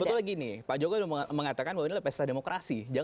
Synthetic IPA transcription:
bət̪ʊlaɡinɪpaʔd͡ʒoɡaməŋat̪akanbawainilahpɛst̪ademokɾʔasid͡ʒa

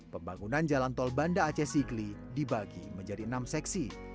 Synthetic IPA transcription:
pəmbaŋunand͡ʒalant̪ɔlbandaːt͡ʃɛsiɡli | dibaɡḭməɲd͡ʒadiənamsɛksi

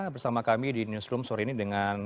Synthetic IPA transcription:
bərsamakamidinjusɾʊmsɔɾinidəŋan

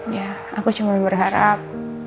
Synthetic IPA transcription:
ja | akut͡ʃumanbərɦaɾap̚

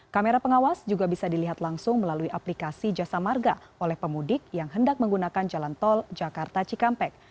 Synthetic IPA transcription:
kameɾapəŋawasd͡ʒuɡabisadiliɦat̪laŋsʊŋməlaluiʔaplikasid͡ʒasamarɡa | olɛhpəmudɪk̚jaŋɦəndak̚məŋɡunakand͡ʒalant̪ɔld͡ʒakart̪at͡ʃikampɛk̚

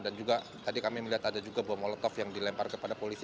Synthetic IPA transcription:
dand͡ʒuɡa | t̪adikamiməliɦat̪adad͡ʒuɡabuamɔlət̪ɔfjaŋdilɛmparkəpadapolisi

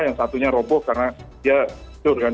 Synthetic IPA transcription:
jaŋsat̪uɲaɾɔbɔkarənadia | ʊɾɡan

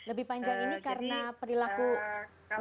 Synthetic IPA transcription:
ləbihpaɲd͡ʒaŋinikaɾənapəɾilaku

